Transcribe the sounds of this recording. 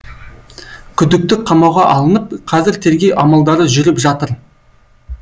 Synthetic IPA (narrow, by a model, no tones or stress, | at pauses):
kʲʰʏd̪ɪk̚t̪ɪkqʰɑmɑwʁɑʔɑlˠənəp̚qʰɑzɪɾt̪ʰeɾɡʲejʔɑmɑlˠd̪ɑɾəʒʏɾɪpʒɑt̪əɾ